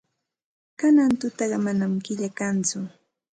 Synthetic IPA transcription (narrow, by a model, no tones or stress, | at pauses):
kanant̪ʊt̪ɑɢɑmanamkɪʎakant͡sʊ